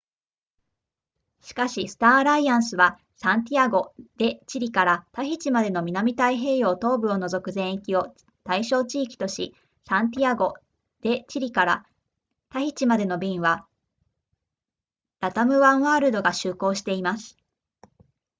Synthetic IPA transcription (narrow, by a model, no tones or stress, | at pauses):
ɕi̥kaɕisɨ̥t̪aːɾaiãɰ̃sɨβa | sãnt̪̬ʲiaɡo̞d̪̥e̞t͡ɕiɾʲikaɾat̪açʲit͡ɕimad̪e̞no̞mʲinamʲit̪aiɦe̞ːjo̞ːt̪o̞ːbɯ̟o̞no̞zo̞kɯ̟zẽ̞ɰ̃ikʲio̞ | t̪aiɕo̞ːt͡ɕiːkʲi̥t̪o̞ɕi | sãnt̪̬ʲiaɡo̞ | d̪̥e̞t͡ɕiɾʲikaɾa | t̪açit͡ɕimad̪e̞no̞bʲĩɰ̃βa | ɾat̪amɯ̟βãɰ̃βaːɾɯd̪o̞ɡaɕɨːko̞ːɕi̥t̪e̞imasɨ̥